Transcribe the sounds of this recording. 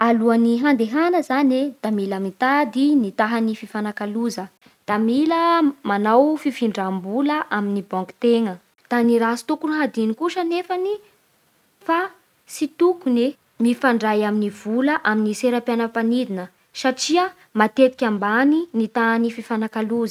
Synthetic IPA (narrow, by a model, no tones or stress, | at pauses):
aluaniɦand̪eɦanəzaned̪̥amilamit̪ad̪init̪aɦanififanakaluzə | d̪̥amiləmanawfifiɳɖ͡ʐambuləʔaminibɔ̃ŋkt̪eŋə | d̪̥aniɾasu̥t̪ukuɾuɦad̪inikuʃənefani | fa | sit̪ukune | mifaɳɖ͡ʐajaminiv̥uləʔaminiseɾapjanəpanid̪inə | saʈ͡ʂiə | mat̪et̪i̥kʲambaninit̪aɦanififanakaluzə̥